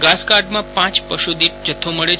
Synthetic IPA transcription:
ɡaskaɾɖmãpãt͡ʃpəʃud̪ip̚d͡ʒət̪ʰːoməɭe

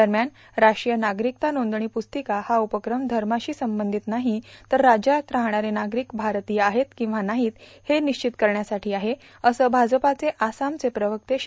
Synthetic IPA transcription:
d̪əɾmjan | ɾaʂɾijənaɡɾik̚t̪anond̪ɳ̃iːpust̪ikahaupəkɾəmd̪ʱəɾmaɕiːsəmbənd̪ʱit̪naɦit̪əɾːad͡ʑjat̪ɾaɦɳ̃aɾenaɡɾiːkbʱaɾt̪iːaɦet̪kĩw̃ʋanaɦiːt̪heniɕt͡ɕit̪kəɾɳjasaʈʰiːaɦe | əsəːbʱad͡zəpat͡seʔasamt͡sepɾəʋək̚t̪eɕ

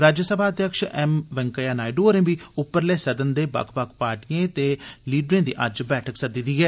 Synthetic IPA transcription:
ɾaːd͡ʒəsəbʱaːəd̪jəkʃɛmʋɛ̃ŋkəjaːnaːɪɖoːɾẽːbiːʊpːəɾlɛːsəd̪ənd̪eːbɐ̰kʰbəkʰpaːʈijẽːt̪eːliːɖɾẽːd̪iːʔəd͡ʒbɛːʈʰəksəd̪id̪iːɛː

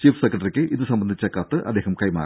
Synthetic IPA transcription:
t͡ɕiːfʰsekːrɐʈɐrikʲːɨʔiðɨsɐmbɐnd̪ʱit͡ɕːɐkːaːt̪ːɨʔɐd̪ːeːɦɐmkɐjma̰ː

